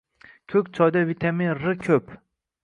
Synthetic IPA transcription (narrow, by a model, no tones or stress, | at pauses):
kʲʰɵkʲt͡ʃʰɒjd̪avit̪ʰaminɾɨkʲʰɵp